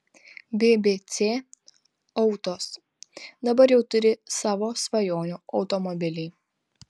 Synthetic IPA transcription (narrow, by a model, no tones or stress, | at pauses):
bʲeːbʲeːt̪sʲeː | ɔʊt̪oːs | d̪ɐbɐɾjɛʊt̪ʊɾʲɪsɑːʋoːsʋɐjoːnʲuːʔɐʊt̪ɔmɔbʲɪlʲɛɪ